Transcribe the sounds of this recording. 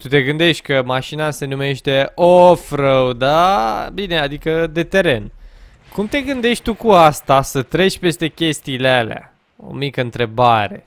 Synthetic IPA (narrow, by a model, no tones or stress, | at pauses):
t̪ut̪e̞ɡɨnd̪e̞ʃt̪ʲkəmaʃinase̞nume̞ʃt̪e̞ofɾəwd̪abine̞ad̪ikəd̪e̞t̪e̞ɾe̞n | kumt̪e̞ɡɨnd̪e̞ʃt̪̚ʲt̪ukuast̪asət̪ɾe̞t͡ʃʲpe̞st̪e̞kʲe̞st̪iːlealea̰ | o̞̰mikəɨnt̪ɾe̞baɾe̞